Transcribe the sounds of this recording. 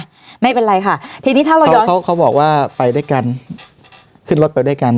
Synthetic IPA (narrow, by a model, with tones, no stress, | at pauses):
ma˥˩jpe˧nɾa˧jkʰa˥˩t̪ʰiː˧niː˦˥t̪ʰaː˥˩ɾa˧˦jkʰa˦˥wkʰa˦˥wbɔ̰ː˨˩k̚waː˥˩pa˧jda˥˩jka˧n | kʰɯ˥˩nɾo˦˥t̪̚pa˧jda˥˩jka˧n